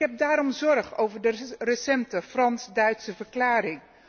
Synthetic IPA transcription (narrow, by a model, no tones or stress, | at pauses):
ɦɛp̚daːɾɔmzɔɹχo̰wvəɹdərəsɛntəfrɑnsdœɥtsəvəɹklaːrɪŋ